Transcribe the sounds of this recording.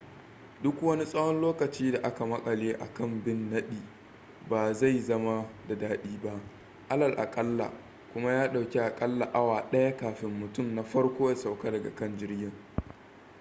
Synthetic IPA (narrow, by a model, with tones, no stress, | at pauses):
dʊ˦kwɐ˦ni˦sʼɐ˦hɔ˦nloː˦kɐ˨t͡ʃiː˦da˨ʔa˦ka˨mɐ˦kʼɐ˨leː˦ʔa̰˨kɐ˦˨mbɪ˦nːɐ˦ɗiː˨ | baː˨za˦˨jzɐ˦ma˦da˨daː˦ɗiː˦ba˦ʔ | ʔa˦lɐ˨lʔa̰˨kʼɐ˦lːa̰˨ | kʷʊ˦ma˦jaː˦ɗa˨wkʲe˦ʔa˨kʼɐ˦lːa˨ʔa˦waː˨ɗɐ˦ja˦kaː˨ɸɪ˦mːʊ˨tʊ˦˨mna˨ɸɐ˦rkʷoː˦ja˨sa˨wka˦dɐ˨ɡa̰˨kɐ˦˨nd͡ʒɪ˦rɡʲɪ˦˨ŋ